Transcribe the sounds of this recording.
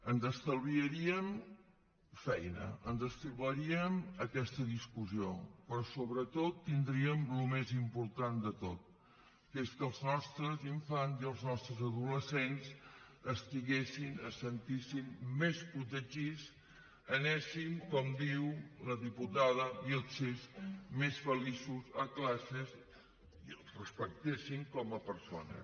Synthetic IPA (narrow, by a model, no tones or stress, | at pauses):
ənzəst̪əlβiəɾiəm | fɛjnə̰ənzəst̪əβəɾiəməkɛst̪əðiskuziopɾɔsoβɾət̪ot̪ːind̪ɾiəmlumezimpuɾt̪and̪ət̪ot̪̚ | keskəlˠznɔst̪ɾəziɱfanziəlˠznɔst̪ɾəzəðuləsenzəst̪iɣesinəsənt̪isimmesput̪̬əʒis | ənɛsiŋkɔmd̪iwləðiput̪aðəiəlˠsezmesfəlisuzəklasəz | iəlˠzrəspək̚t̪esiŋkɔməpəɾso̰nə̰